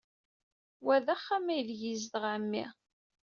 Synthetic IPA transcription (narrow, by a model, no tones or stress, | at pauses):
wæðæχːæmæjlʝizd̪əʁʕəmːḭ